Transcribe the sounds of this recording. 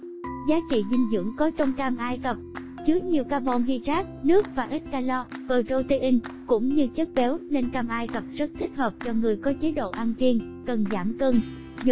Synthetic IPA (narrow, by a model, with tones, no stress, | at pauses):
zaː˨˦t͡ɕḭ˧˨zï˨˩ŋ̟zɨ̰˧˩əŋkɔ˨˦t͡ɕɔ˧wŋ͡mkaː˧mʔaː˧jkə˨˩p̚ | t͡ɕɨ˨˦ək̚ɲi˨˩əwkaː˧mɔ˧nɦi˧zaː˦˥k̚nɨ˦˥ək̚vaː˨˩ʔï˦˥t̟̚kaː˧lɔ˧vəː˨˩to˧t̪i˧ʔï˧ŋ̟kʊ̰˧˥ŋ͡mɲɨ˧t͡ɕə˦˥t̚ɓɛ˨˦wne˧nkaː˧mʔaː˧jkə˨˩p̚zə˦˥t̚t̪ʰï˦˥k̟̚həː˨˩p̚t͡ɕɔ˧ŋɨ˨˩əjkɔ˨˦t͡ɕe˨˦ɗo̰˧˨ʔaː˧nki˧ən | kə˨˩nzaː˧˩mkəː˧n˧˨